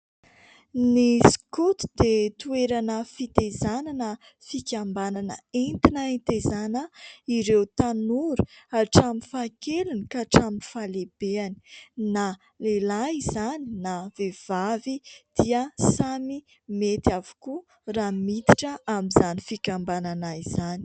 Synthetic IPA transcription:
niskut̪i̥d̪̥et̪ueɾanəfit̪ezananə | fikʲambananə̰ent̪inaent̪ezanəiɾewt̪anuɾuaʈ͡ʂamifakelinikaʈ͡ʂamifaleb̥eani̥na | lelaizaninavev̥avid̪̥iəsami | met̪avu̥ku | ramit̪iʈ͡ʂəamizanifikʲambananaizani̥

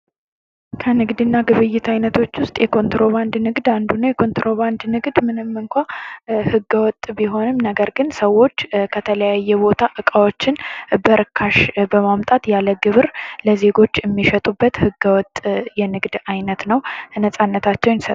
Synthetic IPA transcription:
kʰənɨɡd̪ɨnːaɡɨβɨjːɪt̪ʰajnət̪ʰo̞t͡ʃːwʊst̪ʼjɛkʰo̞nt̪ɾo̞βand̪nɨɡd̪and̪unːajɛkʰo̞nt̪ɾo̞βand̪nɨɡd̪mɨnɨmːɨŋkʷahɨɡːəwɔt̪ʼːbiɦo̞nɨmnəɡəɾɡɨnsəwːo̞t͡ʃːkʰət̪ʰələjajːɛbo̞t̪ʰaʔɨkʼawot͡ʃːɪnbəɾɨkʰːaʃbəmamt̪ʼat̪jaləɡɨβɨɾləze̞ɡo̞t͡ʃːɪmːiʃɛt̪ʼubːət̪hɨɡəwɔt̪ʼjɛnɨɡd̪ajnət̪nəwnəsʼanːət̪ʰat͡ʃːɛwnsə

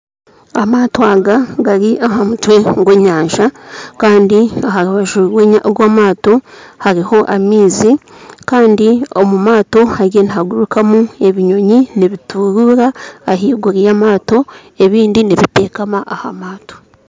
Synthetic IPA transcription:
amaːtoaɡaɡaɾiʔaɦamutwe̞ŋɡoɲaːɲʒakaːndiaɦaɾuβaʒuweɲaβwaːmaːto̞haɾiho̞ʔamiːzikaːndio̞mumaːto̞haɾe̞niɦaɡuɾukamue̞βiɲo̞ɲiniβitʰuɾuɾaːɦiːɡuɾijamaːto̞ | e̞βiːndiniβite̞ːkamaʔaha̰maːto̥

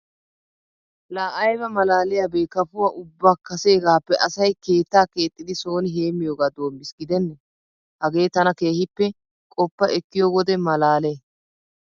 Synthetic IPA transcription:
laːʔɐjbɐmɐlaːlɪjaːbeːkɐfʊwaːʔʊbːaːkːɐse̞ːɡaːpːɛʔɐsɐjke̞ːt̪ːaːke̞ːt̪ʼːɪd̪ɪso̞ːnɪɦe̞ːmːɪjoːɡaːd̪o̞ːmːɪsɡɪd̪ɛnːɛ | hɐɡe̞ːt̪ɐnɐke̞ːhɪpːɛ | kʼɔpːɐʔɛkːɪjoːɡɔd̪ɛmɐlaːle

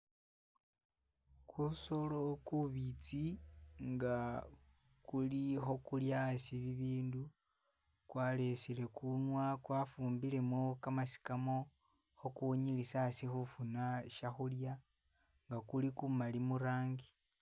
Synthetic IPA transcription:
kʰuso̞lo̞kuβit͡siŋɡa | kulixo̞kuljasiβiβiːndu | kwaːle̞sile̞kunwakwafuːmbile̞mokamasi̥kamo̞ | xo̞kuoɲilisasixufunaʃaxulja | ŋɡakulikumalimuɾaːŋɡi

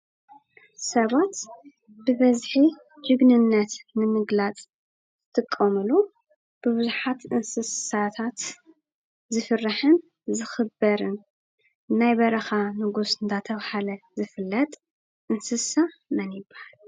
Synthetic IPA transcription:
sɐβat̪ | bɨbɐzħi | d͡ʒɨɡnɨnːɐt̪nɨmɨɡlat͡sʼ | zɨt̪ʰʼɨkʼːɐmɨlu | b̥ɨβɨzuħat̪ʔɨnsɨssat̪ʰat̪ | zɨfɨrːaħɨn | zɨxɨbɐɾɨn | nːajbɐɾɐxanɨɡusɨnt̪ʰat̪ʰɐβhalɐzɨfɨlːɐt̪ʼ | ʔɨnsɨsa | mɐnjɪbːḁhal

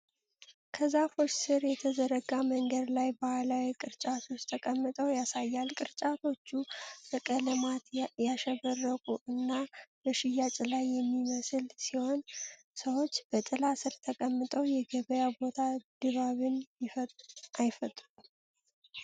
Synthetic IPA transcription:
kʰəzafo̞t͡ʃːsɨɾjɛt̪ʰəzəɾəɡaməŋɡəd̪lajbahalawikʼɨɾt͡ʃʼat̪ʰo̞t͡ʃːt̪ʰəkʼəmːɨt̪ʼəwjasajːalkʼɨɾt͡ʃʼat̪ʰo̞t͡ʃːubəkʼələmat̪jaʃɛβərːəkʼuʔɨnːabəʃɪjːat͡ʃʼlajːɛmːiməsɨlsiho̞n | səwo̞t͡ʃːb̥ət̪ʼɨlasɨɾt̪ʰəkʼəmːɨt̪ʼəwjɛɡəβəjabo̞t̪ʰad̪̥ɨβaβɨnjɪfajfət̪ʼɾu

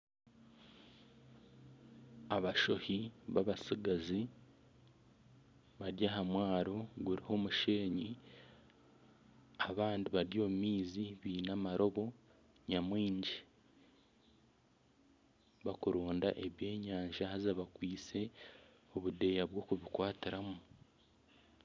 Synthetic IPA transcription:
aβaʃo̞hiβaβasiɡazi | βaɾjaɦamwaːɾoɡuɾiho̞muʃe̞ːɲi | aβaːndiβaɾjo̞ːmumiːziβiːnamaɾo̞βo̞ | ɲamwiːɲɟi | βakuɾoːnda̰ʔeβje̞ːɲaːɲʒahazaβakwiːt͡se̞ | o̞βude̞jaβwo̞ːkuβikwaːtiɾamu

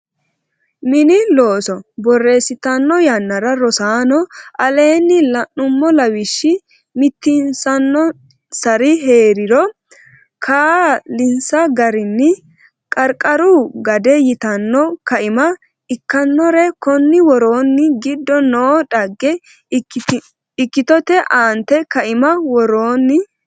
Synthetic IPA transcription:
mɪnɪlo̞ːsɔbɔrːe̞ːsɪt̪ɐnːɔjɐnːɐɾɐɾɔsaːnɔʔɐle̞ːnːɪlɐnːʊmːɔlɐwɪʃːɪ | mɪt̪ːɪnsɐnːɔ | sɐɾɪɦe̞ːɾɪɾɔ | kʰaːlɪnsɐɡɐɾɪnːɪ | kʼɐɾkʼɐɾuɡɐd̪ɛjɪt̪ɐnːɔkɐʔɪmɐ | ɪkːɐnːɔɾɛkɔnːɪwɔɾoːnːɪɡɪd̪ːɔnoːᶑɐɡːɛ | ɪkːɪt̪ɔt̪ɛʔaːnt̪ɛkɐʔɪmɐwɔɾoːnːɪ

